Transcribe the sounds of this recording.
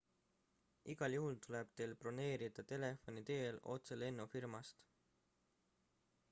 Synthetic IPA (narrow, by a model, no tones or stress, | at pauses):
iɡ̥ɑljuɦult̪ule̞b̥t̪e̞ːlpro̞ne̞ːɾid̪̥ɑt̪e̞le̞fo̞nit̪e̞ːlo̞̰t̪se̞le̞nːufirmɑst̪